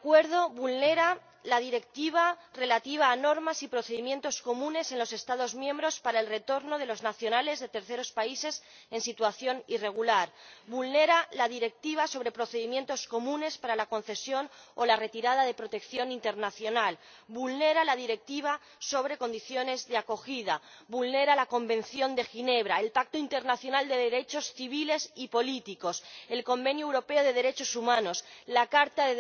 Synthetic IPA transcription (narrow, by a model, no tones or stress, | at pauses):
akwe̞ɾðo̞βulne̞ɾa | lað̞iɾe̞k̚t̪iβ̞are̞lat̪iβ̞aːno̞ɾmasipɾo̞θe̞ðimje̞nt̪o̞sko̞mũne̞se̞nlo̞se̞st̪að̞o̞zmjẽ̞mbɾo̞spaɾae̞lre̞t̪o̞ɾno̞ðe̞lo̞znaθjo̞nale̞zðe̞t̪eɾθe̞ɾo̞spaise̞s | e̞nsit̪waθjo̞nire̞ɣ̞ulaɾbulne̞ɾalaðiɾe̞k̚t̪iβ̞aso̞β̞ɾe̞pɾo̞θeðimje̞nt̪o̞sko̞mũne̞spaɾalako̞nθe̞sjo̞nolare̞t̪iɾaðaðe̞pɾo̞t̪e̞kθjo̞nint̪e̞ɾnaθjo̞nal | bulne̞ɾalaðiɾe̞k̚t̪iβ̞a | so̞β̞ɾe̞ko̞nd̪iθjo̞ne̞zðeako̞xið̞aβulne̞ɾalako̞mbẽ̞n̟θjo̞nd̪e̞xine̞β̞ɾaelpak̚t̪oint̪e̞ɾnaθjonald̪e̞ðe̞ɾe̞t͡ʃo̞sθiβ̞ile̞sipo̞lit̪iko̞se̞lko̞mbe̞njuewɾo̞pe̞oð̞e̞ð̞e̞ɾe̞t͡ʃo̞sumãno̞slakaɾt̪aðe